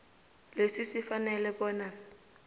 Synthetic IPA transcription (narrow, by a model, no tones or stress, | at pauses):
lesɪsɪfanɛlɛbɔːna